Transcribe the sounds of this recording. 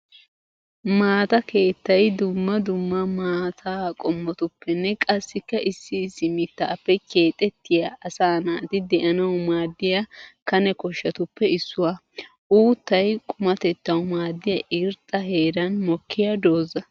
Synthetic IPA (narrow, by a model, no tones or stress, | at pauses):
maːt̪ɐke̞ːt̪ːɐjd̪ʊmːɐd̪ʊmːɐmaːt̪ʰaːkʼɔmːɔt̪ʊpːɛnːɛkʼɐsːɪkːɐʔɪsːɪsːɪmɪt̪ːaːpːɛkʰe̞ːt̪ʼːɛt̪ːɪjaʔɐsaːnaːt̪ɪd̪ɛʔɐnɐwʊmaːd̪ːɪjakɐnɛkɔʃːɐt̪ʊpːɛɪsːʊwa | ʔuːt̪ːɐjkʼʊmɐt̪ɛt̪ːɐwʊmaːd̪ːɪjɐʔɪɾt̪ʼːɐhe̞ːɾɐnmɔkʰːɪjɐd̪o̞ːzɐ